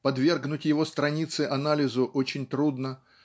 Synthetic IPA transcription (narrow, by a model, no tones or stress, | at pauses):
pɐd̪vʲe̞rɡnʊtʲjɪvo̞st̪ɾɐnʲit̪sɨʔɐnalʲɪzʊʔo̞t͡ɕɪnʲt̪ɾud̪nə